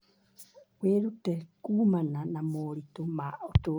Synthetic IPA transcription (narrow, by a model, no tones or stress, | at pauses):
kweɾut̪ekumanãnamoɾit̪omaot̪u